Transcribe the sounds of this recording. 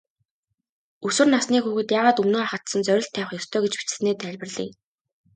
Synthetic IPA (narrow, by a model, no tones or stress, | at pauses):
ɵsɵ̆rnasniːkxuɣɘ̆t̪jaːʁaːt̪ɵmnoːaχə̆t̪sə̆nt͡sœɾʲɪ̆ɬt̪ʰːæːwχjɵst̪ʰœːɡet͡ɕpi̥t͡ɕɘ̥̆neːt̪æɮʲpə̆rɮḭː